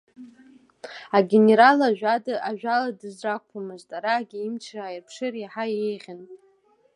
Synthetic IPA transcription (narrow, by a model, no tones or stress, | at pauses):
aɡʲe̞ne̞ɾalaʒᶣadɨʔaʒᶣaladɨzrakʷʰamɨztʼaɾaɡʲiimt͡ʃʰraːjirpʰʂɨriħajejʁʲan